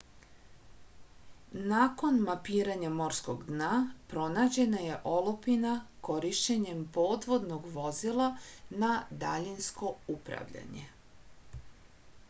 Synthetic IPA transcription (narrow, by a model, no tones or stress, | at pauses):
naːko̞nmapiːɾaɲamo̞ɾsko̞ɡd̪napɾo̞naːd͡ʑe̞naje̞ʔo̞lopinako̞ɾiʃt͡ɕeɲempo̞ːd̪ʋo̞d̪no̞ɡʋo̞zilˠanad̪a̰ʎinsko̞upɾa̰ʋʎa̰ɲḛ